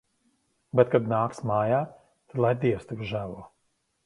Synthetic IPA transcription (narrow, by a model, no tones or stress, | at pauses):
bɛt̪̚kad̪naːksmaːjaː | t̪ad̪lˠajd̪iɛst̪ivʒævuɔ